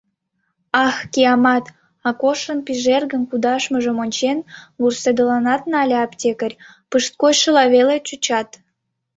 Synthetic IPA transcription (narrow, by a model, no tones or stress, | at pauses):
ɑxkiɑmɑt̪ | ɑkoʃənpiʒerɣənkud̪ɑʃməʒə̆monʲt͡ɕenβursed̪əlɑnɑt̪nɑlʲeɑptʲekərʲ | pɨʃt̪̚kojʃə̆lɑβelet͡ɕut͡ɕɑt̪